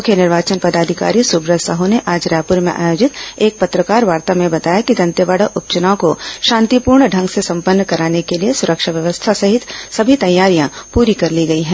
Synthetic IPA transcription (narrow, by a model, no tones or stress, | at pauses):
ʊkʰjenɪɾʋaːt͡ʃənpɐd̪aːd̪ʱɪka̰ːɾisubɾəsɐɦoneʔaːd͡ʒɾaːpʊɾmẽʔa̰ːjoːd͡ʒɪt̪eːk̚pɐt̪ɾəkaːɾʋaːɾt̪amẽbɐt̪aːjakid̪ɐ̃nt̪jəʋaːɽəʔʊp̚t͡ʃənaõkoʃãːnt̪ipuːɾɳɖʱɐ̃ŋɡsesɐ̃mpənːkɐɾaːnekeliesʊɾəkʃaʋjəʋəst̪ʰasɐɦɪt̪sɐbʱit̪ɐjːaːɾijãpuːɾikɐɾliɡɐiɦɛ̃ː